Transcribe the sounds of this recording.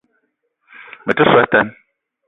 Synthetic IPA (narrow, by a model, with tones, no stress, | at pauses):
mə˨tɨ˦swɛ˦tɛ˦n